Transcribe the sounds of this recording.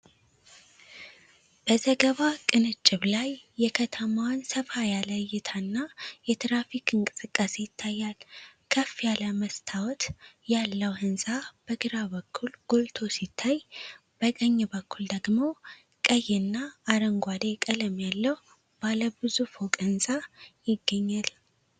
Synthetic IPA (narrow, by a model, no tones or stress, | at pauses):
b̥əzəɡəβakʼɨnɨt͡ʃʼːɪβlajːɛkʰət̪ʰəmawnsəfajaləjɪt̪ʰanːajɛt̪ʰɾafikɨŋkʼɨsʼɨkʼːase̞jɪt̪ʰːajːalkʰəfːjaləməst̪ʰawɔt̪jalːəwhɨnsʼab̥əɡɨɾaβəkʰːulɡ̥olt̪ʰo̞sit̪ʰːaj | b̥əkʼəɲːɛbəkʰːuld̪əɡmo̞ | kʼəjːɛnːaːɾəŋɡʷad̪ekʼələmjalːəw | b̥aləbɨzufokʼɨnsʼajɪɡːəɲːal